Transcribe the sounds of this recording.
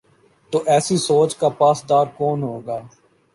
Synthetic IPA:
t̪oːʔɛːsisoːt͡ʃkapaːsd̪aːɾkoːnɦoːɡaː

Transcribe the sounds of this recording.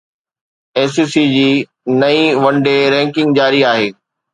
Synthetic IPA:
eːsiːsid͡ʑiː | nɐĩʋɐ̃ɳɖeɾɛ̃ːŋkɪ̃ŋɡd͡ʑaːɾiaːɦeː

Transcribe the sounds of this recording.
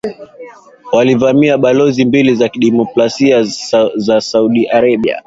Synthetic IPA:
walivamiaɓalɔzimbilizakiɗɛmɔklasiazasauɗiʔaɾaɓia̰

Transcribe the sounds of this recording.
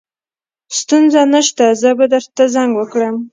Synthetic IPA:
st̪unzanəʃt̪azəbad̪əɾt̪azaŋɡwəkɽəm

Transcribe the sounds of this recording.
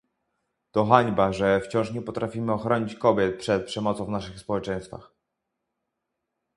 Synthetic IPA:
t̪ɔxaɲbaʐɛft͡ɕɔ̃w̃ʂɲɛpɔt̪ɾʔafʲimɘɔxɾɔɲit͡ɕkɔbʲjɛt̪̚pʂɛt̪̚pʂɛmɔt̪sɔ̃w̃vnaʂɘxspɔwɛt͡ʂɛ̃j̃st̪fa̰x

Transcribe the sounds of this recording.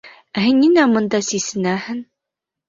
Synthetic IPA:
æɦɘnːinæmɤ̆nd̪ɑsisɘ̆næhɘn

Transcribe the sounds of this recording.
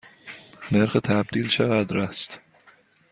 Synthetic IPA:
neɾxet̪ʰæb̚d̪iːlʃeɣæd̪ɾæst̪

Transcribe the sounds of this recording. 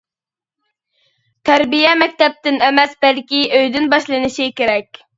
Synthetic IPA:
t̪ʰæɾbijɛmɛk̚ʲt̪ɛp̚t̪ɪnɛmɛsbɛlkʲiøjd̪ɪnbɑʃlˠɨnɪʃikʲeɾɛkʲ

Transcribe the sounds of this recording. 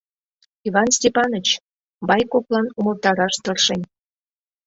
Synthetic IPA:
iβɑnsʲtʲepɑnət͡ɕ | bɑjkoplˠɑnuməlˠt̪ɑɾɑʃt̪ərʃenʲ

